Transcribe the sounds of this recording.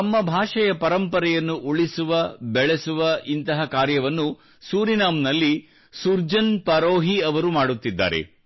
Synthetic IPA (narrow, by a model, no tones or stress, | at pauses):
ɐmːɐbʱaːʂɐjɐpɐɾɐmpɐɾɛjɐnːuʔuɭisuʋɐbɛɭesuʋɐʔint̪ɐɦɐkaːɾjɐʋɐnːu | suːɾinaːmnɐlːi | suɾd͡ʒɐnpɐɾoːɦiɐʋɐɾumaːɽut̪ːid̪ːa̰ːɾḛ